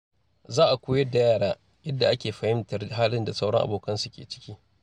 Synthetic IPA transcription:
zaː˦ʔa˨kʷoː˦jɐ˦da˨jaː˦ɽaː˦ | jɐ˦dːa˨ʔa˦kʲeː˨ɸɐ˨hɪ˦mtɐ˨ɦaː˦lɪ˦nda˨sa˦wɽɐ˦ŋʔa̰˨boː˨kɐ˦nsu˦kʲeː˨t͡ʃɪ̥˦kʲiː˦

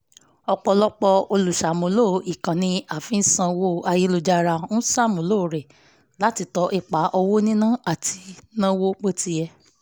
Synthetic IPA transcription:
ɔ˧k͡pɔ˧lɔ˦k͡pɔ˧o˧lu˨ʃa˨mõ˨lo˦˨˦i˨kã˨nĩ˧a˨fĩ˨˦sã˧wo˦a˧ji˦lo˧d͡ʒa˦˧ɾa˧˦ũ˦sa˦˨mõ˨lo˦˨ɾɛ˨ | la˨˦ti˧tɔ˨˧˦ʔi˧˨k͡pa˨˦ʔɔ˧wo˦nĩ˦nã˦˨a˨ti˧nã˦wo˦k͡po˦ti˧jɛ˧

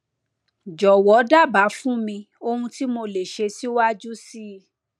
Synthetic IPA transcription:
d͡ʒɔ˨wɔ˨˦da˦˨ba˨˦fũ˦mĩ˧ | o˧hũ˧ti˦mo˧le˨ʃe˧si˦wa˦d͡ʒu˦si˦

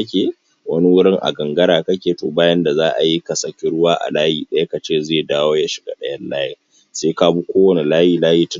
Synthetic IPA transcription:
ɐ˦kʲeː˨ | wɐ˦ni˦wʊ˦ɽɪ˦ŋʔa̰˨ɡɐ˨ŋɡɐ˦ɾaː˨kɐ˦kʲeː˨toː˨baː˦jɐ˦nda˨zaː˦ʔa̰˨ji˦kɐ˨sɐ˨kʲɪ˦ɽʊ˦waː˦ʔa̰˨laː˦jiː˨ɗɐ˦ja˦ka˨t͡ʃeː˦˨zeː˦˨daː˦woː˦ja˦ʃɪ˨ɡa̰˦ɗɐ˦jɐ˦llaː˦jeː˦ | seː˦ka˦bu˦kʷoː˦wɐ˨ni˨laː˦jiː˨laː˦jiː˦tʊ˦

